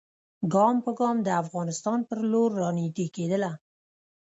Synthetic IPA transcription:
ɡɑmpəɡɑmd̪əafɣɑnɪst̪ɑnpəɾloɾːɑnit̪iked̪əla

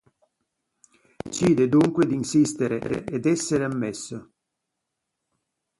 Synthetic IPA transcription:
t͡ʃiːd̪ed̪uŋkwed̪insist̪eɾḛɾḛʔed̪ɛsːeɾeamːɛsːo

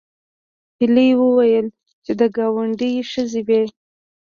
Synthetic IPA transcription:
piləjwəwajəl | t͡ʃed̪əɡɑwaɳɖijʃəzewe

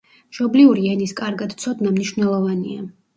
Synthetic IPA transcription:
ʃɔbliuɾiɛniskʼaɾɡad̪t̪sʰɔd̪namniʃvnɛlˠɔvania

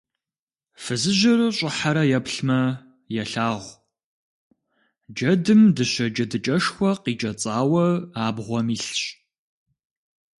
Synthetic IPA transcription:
fɨzɨʒɪrɨɕʼɪħaɾɐjɛpɬmɐ | jɛɬaːʁʷ | d͡ʒɐdɨmdɨɕɐd͡ʒɐdɨt͡ʃʼɐʂxʷɔqiːt͡ʃʼɐt͡sʼaːwɐaːbʁʷɔmiːɬɕʼ

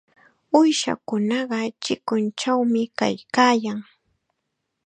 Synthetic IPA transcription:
ʊjʃa̰kʊnɑɢɑt͡ʃɪkʊnt͡ʃawmɪka̰jkaːjaŋ

